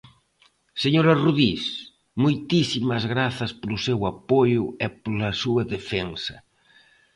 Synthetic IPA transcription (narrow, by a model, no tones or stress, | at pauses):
seɲoɾɐruðis | mojt̪isimɐzɣɾaθɐspolʊsewapojʊɛpolɐsuɐðefensɐ